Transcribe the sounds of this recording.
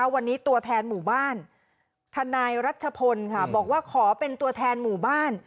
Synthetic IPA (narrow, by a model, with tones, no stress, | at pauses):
a˦˥wa˧nːiː˦˥t̪u˧ɐt̪ʰɛː˧nmuː˨˩baː˥˩n | t̪ʰa˧naː˧jɾa˦˥t̪̚t͡ɕʰa˧pʰo˧nkʰa˥˩bɔː˨˩k̚waː˥˩kʰɔː˩˦pe˧nt̪u˧ɐt̪ʰɛː˧nmuː˨˩baː˥˩n